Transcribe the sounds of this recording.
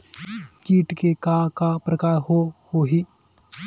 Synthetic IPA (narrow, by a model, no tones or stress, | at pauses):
kiːʈkekakapɾɐkaːɾɦohoɦiː